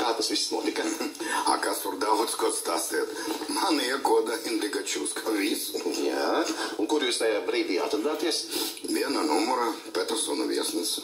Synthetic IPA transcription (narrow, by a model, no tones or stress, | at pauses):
kaːt̪ɐsʋisːnuɔt̪ikɐa̰kasuɾd̪avɔt̪skɔt̪st̪aːst̪iːt̪manjɛkuɔd̪aɛnd̪iɡat͡ʃuːskʰavʲisjæunkuɾjuːst̪ajaːbɾiːd̪ija̰t̪ɾad̪aːt̪iɛsʋiɛnanumuɾapʲɛt̪ɛɾsɔnɐʋʲḭɛsns